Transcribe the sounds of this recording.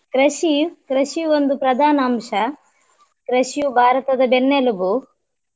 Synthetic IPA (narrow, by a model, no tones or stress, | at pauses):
kɾɐʃikɾɐʃiond̪upɾɐd̪ʱaːnɐaːmʂɐ | kɾɐʂubʱaːɾɐt̪ɐd̪ɐbenːelubu